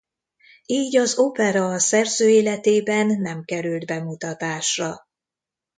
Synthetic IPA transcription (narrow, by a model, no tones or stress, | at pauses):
iːɟɒzopɛɾɒsɛrzøːeːlɛt̪eːbɛnːɛmkɛɾyld̪bɛmut̪ɒt̪aːʃrɒ